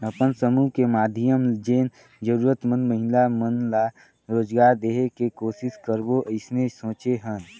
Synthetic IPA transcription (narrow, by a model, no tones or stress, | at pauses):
əpənsəmuːkemaːd̪ʱijəmd͡ʒeːn | d͡ʒəɾuːɾət̪mə̃nməɦɪlamənla | ɾoːd͡ʒɡaːɾd̪eːɦekekoːsɪskəɾboʔəɪsnesõːt͡ʃeɦən